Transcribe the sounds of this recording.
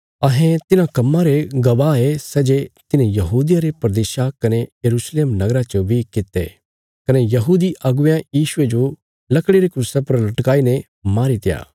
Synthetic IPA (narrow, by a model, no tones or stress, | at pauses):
ɐɦẽt̪ɪnãkɐmːãɾeɡɐʋaːesɛːd͡ʒet̪ɪnẽjɐɦuːd̪ɪjaɾepɐɾd̪eːʃakɐnejɐɾuːsleːmnɐɡɾat͡ʃobʱikɪt̪ːḛ | kɐnejɐɦuːd̪iʔɐɡʊjãjiːʃʊed͡ʒo | lɐkɽeɾekɾusepɐɾlɐʈkaːine | maːɾit̪ɪja̰ː